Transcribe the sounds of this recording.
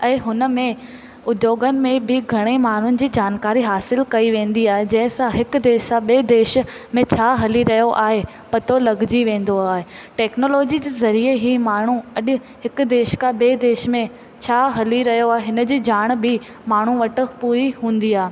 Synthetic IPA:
ɛ̃ːɦʊnə̆mẽ | ʊd̪joːɡənɪ̆mẽbɪɡʱɐɽ̃emaːɳ̤ʊnɪ̆d͡ʑiːd͡ʑaːnkaːɾiɦaːsɪlkɐiʋẽːnd̪iaːɦed͡ʑɐ̃ɦɪ̃sãɦɪkʊd̪eːʃsãɓeːd̪eːʃmẽt͡ɕʰaːɦɐliɾɐɦijoʔaːɦe | pɐt̪olɐɡʱd͡ʑiʋẽːn̆d̪oaːɦeʈɛːknoːloːd͡ʑid͡ʑiːzɐɾieɦimaːɳ̤ũɐɗʊ̆ | hɪkʊ̆d̪eːʃkãɓeːd̪eːʃmẽ | t͡ɕʰaːɦɐliɾɐɦijoaːɦeɦɪnə̆d͡ʑiːd͡ʑaːɽ̃bɪ | maːɳ̤uʋɐʈɪ̆puːɾiɦũːn̆d̪iaːɦe

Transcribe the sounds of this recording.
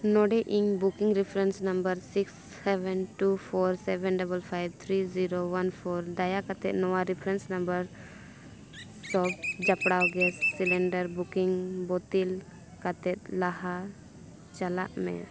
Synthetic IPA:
nɔɖɛʔiŋbukiŋɾipʰɾɛnsnəmbəɾsiksːɛbɛnʈupʰɔɾsɛbɛ̃nɖabəlpʰajbt̪ʰɾiziɾowanpʰɔɾɖajakat̪ɛ̰t̪̚nɔwaɾipʰɾɛ̃nsnãmbəɾ | sɔbd͡ʒapɽawɡɛsːilɛɳɖəɾbukiŋbɔt̪il | kat̪ɛt̪̚laɦa | t͡ʃala̰ʔmɛ̰

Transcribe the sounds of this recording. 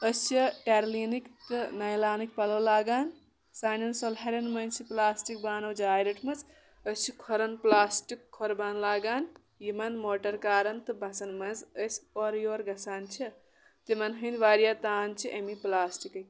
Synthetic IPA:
əst͡ʃʰiʈeɾliːnikt̪ɨnɐjlaːnikpɐlɐwlaːɡaːn | saːnɐnsolɦɐɾɐnmɐnt͡ʃʰiplaːsʈik̚baːnɐwd͡ʒaːjɾɐʈʰmɐt͡s | əst͡ʃʰikʰoɾɐnplaːsʈikʰːoɾbaːnlaːɡaːn | jimɐnmoːʈɐɾkaːɾɐnt̪ɨbʱɐsɐnmɐnzəspoɾjoːɾɡʱɐsaːnt͡ʃʰi | t̪imɐnɦɐ̃nd̪ʋaːɾijat̪aːnt͡ʃʰiʔemiplaːsʈikɐ

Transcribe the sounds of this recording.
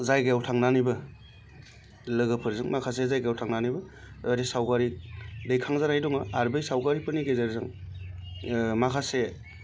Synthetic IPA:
zajɡajawtʰaŋnanibɯ | lɯɡɯpʰɯɾzɯŋmakʰas̬ezajɡajawtʰaŋnanibɯ | jaɾisawɡaɾidejkʰaŋzanajdɔŋaːɾbɯjsawɡaɾipʰɯniɡejzaɾzaŋ | makʰase

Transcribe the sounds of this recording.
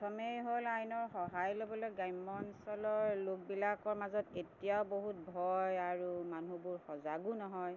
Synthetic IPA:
tʰɔmejɦolajnɔɹxɔɦajlobɔlojɡajmɔnsɔlɔɹlok̚bilakɔɹmazɔtetijaʊboɦut̚bʱɔjaɹumanubʊɹxɔzaɡunɔɦɔj

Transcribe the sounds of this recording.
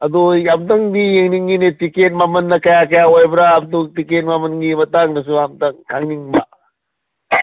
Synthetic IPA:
ɐd̪oamt̪ɐŋd̪ijeŋniŋɡinetikenmamɐnːɐkɐjakɐjaojbɾaːb̚d̪utikenmamɐnɡimɐt̪aŋnɐs̬uamt̪ɐŋkʰaŋniŋba

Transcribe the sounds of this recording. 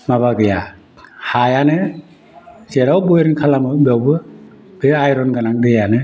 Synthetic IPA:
maβaɡɯja | hajanɯ | zeɾawbɔjɾɯnkʰalamɯbawbɯ | b̥eajɾɔnɡanaŋdɯjanɯ

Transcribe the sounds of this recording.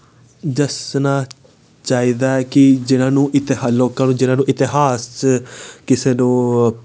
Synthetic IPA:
d͡ʒəsnaː | t͡ʃaːiːd̪aːɛːkɪd͡ʒɪnãːnũːʔɪt̪ɪɦaloːkãːnũːd͡ʒɪnãːnũːʔɪt̪ɪɦaːst͡ʃkɪseːnõː

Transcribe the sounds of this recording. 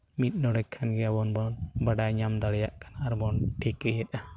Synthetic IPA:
mit̪̚ˀnɔɽɛkʰːanɡɛabɔnbɔnbaɖajɲamd̪aɽɛjaʔkanaːɾbɔnʈɛkəjɛt̪̚ˀa

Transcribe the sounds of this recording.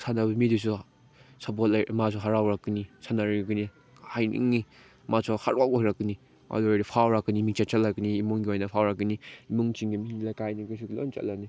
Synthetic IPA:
sʰanabɐmidisu | sapɔtlamasʰɔɦaɾawɾakɯnisanaɾiɡɯni | hajnḭŋni | masʰɔhaɾakaɾakɯni | a̰lɔɾipʰawɾakːɯnimiŋt͡ʃat͡ʃalakiniːmuŋɡiojnapʰawɾakiniimuŋt͡ʃiŋɡimiilakajniɡis̬uɡlo̰nt͡ʃa̰lani

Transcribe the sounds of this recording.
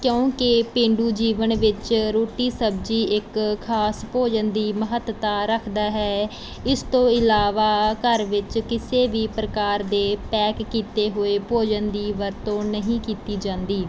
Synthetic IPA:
kjõːkɪpɪ̃ɳɖuːd͡ʒiːʋənʋɪt͡ʃɾoːʈiːsəb̚d͡ʒiːɪkʰːaːspoːd͡ʒənd̪iːməɦət̪t̪aːɾəkʰd̪aːɦɛː | ɪst̪õːɪlaːʋaːkəɾʋɪt͡ʃkɪseːʋiːpɾəkaːɾd̪eːpɛːkːiːt̪eːɦoeːpoːd͡ʒənd̪iːʋəɾt̪õːnəɦĩːkiːt̪iːd͡ʒãːnd̪iː

